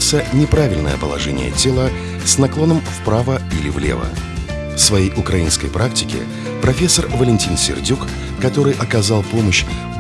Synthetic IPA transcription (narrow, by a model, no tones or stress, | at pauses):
t̪sənʲɪpɾavʲɪlʲnə̰jə̰pəlˠɐ̰ʐɛnʲɪ̰jə̰tʲelˠə | snɐklˠo̞nəmfpɾavəilʲɪvlʲḛvə̰ | fsvɐjejʔʊkɾɐinskə̰jpɾʔak̚tʲɪkʲɪ̰ | pɾɐfʲe̞sːərvəlʲɪnʲtʲinsʲɪ̰rdʲukː | ɐt̪o̞ɾɨjʔɐkɐzalˠpo̞məɕ